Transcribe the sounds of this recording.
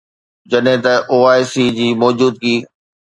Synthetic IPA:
d͡ʑɐɗɦɪ̃t̪ɐʔoːaːjsiːd͡ʑiːmɔːd͡ʑuːd̪̚kiː

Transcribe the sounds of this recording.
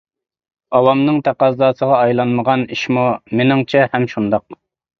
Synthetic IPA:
ɑwɑmnɨŋt̪ʰæqɑzːɑːsəʁɑɑjlˠɑnməʁɑniʃmumenɪŋt͡ʃʰɛhɛmʃund̪ɑq̚

